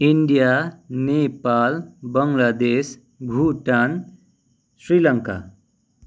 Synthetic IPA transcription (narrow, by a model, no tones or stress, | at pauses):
iɳɖijanepalbʌŋlad̪es | bʱuʈan | sɾilʌŋka̰